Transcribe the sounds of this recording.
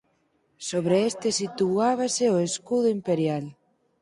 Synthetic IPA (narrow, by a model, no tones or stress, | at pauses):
soβɾeest̪esit̪uaβ̞aseoeskuðoimpeɾjal